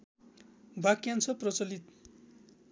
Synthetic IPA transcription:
bʱakjant͡sʰʌprʌt͡sʌlit̪

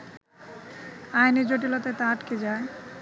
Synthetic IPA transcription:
ajned͡ʑoʈilot̪aet̪aaʈked͡ʑae

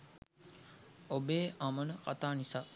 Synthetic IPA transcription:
obeːʔamənəka̰t̪aːnisaː

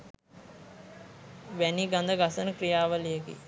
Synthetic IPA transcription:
ʋæniɡãnd̪əɡasənəkɾijaːʋəlijəɡḭ

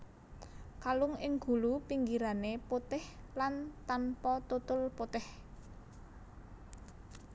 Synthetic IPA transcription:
kalʊŋɪŋɡ̥ṳlupiŋɡiɾaneput̪ɪhlant̪anpɔt̪ut̪ʊlpot̪ɪh

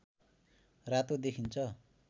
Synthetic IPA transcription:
rat̪od̪ekʰint͡sʰʌ

